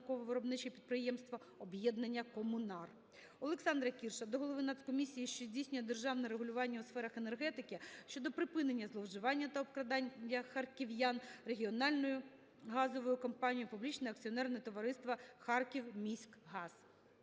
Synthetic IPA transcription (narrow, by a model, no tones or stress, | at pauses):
kɔʋɔʋɪɾɔbnɪt͡ʃɐipʲid̪̚pɾɪjɛmst̪ʋɐ | ɔbjɛd̪nɐnʲːɐkɔmʊnɑr | ɔlˠeksɑnd̪ɾɐkʲirʃɐd̪ɔɦɔlˠɔʋɪnɑskɔmʲisʲijiʃt͡ʃɔzʲdʲijsʲnʲʊjɛd̪erʒɑwnɛɾeɦʊlʲʊʋɑnʲːɐʊsfɛɾɐxenerɦɛt̪ɪkɪʃʲt͡ʃɔd̪ɔpɾɪpɪnenʲːɐzlˠɔwʒɪʋɑnʲːɐt̪ɐɔpkɾɐd̪ɑnʲɐxɐrkʲiʋjanre̞ɦʲiɔnɑlʲnɔjʊ | ɦɑzɔʋɔjʊkɔmpɑnʲijʊpublʲit͡ʃnɛɐk̚t͡sʲiɔnɛrnɛt̪ɔʋɐɾɪst̪ʋɐxɑrkʲiwmʲisʲkɦɑz̥